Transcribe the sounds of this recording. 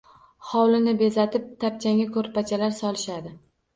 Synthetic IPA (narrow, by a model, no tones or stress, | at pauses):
hɒwlɪnɪbe̞zat̪ɪp̚t̪ʰap̚t͡ʃʰaŋʲakʰɵɾpat͡ʃʰalaɾsɒlɪʃad̪ɪ